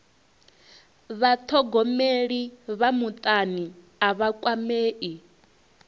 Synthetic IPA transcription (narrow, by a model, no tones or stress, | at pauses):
βat̪ʰɔɡɔmeɺiβamut̪ʼani | aβakʼwameːʔi